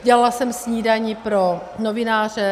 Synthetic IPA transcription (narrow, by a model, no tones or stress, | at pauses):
ɟɛlalasɛmsɲiːdaɲipɾo | novɪnaːr̝ɛ